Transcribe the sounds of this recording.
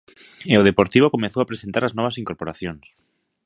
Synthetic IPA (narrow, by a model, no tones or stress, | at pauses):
eoðepoɾt̪iβ̞okomeθowapɾesent̪aɾaznɔβ̞asiŋkoɾpoɾaθjõŋs